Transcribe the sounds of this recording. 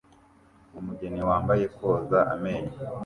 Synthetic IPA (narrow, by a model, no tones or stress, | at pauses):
umuɟeniwaːmbaje̞ko̞ːzaʔa̰meɲa